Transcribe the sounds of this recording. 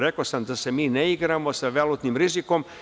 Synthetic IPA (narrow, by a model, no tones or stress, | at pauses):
ɾe̞kosamd̪ase̞miːneiɡɾamo̞saʋelˠut̪nimɾiziko̞m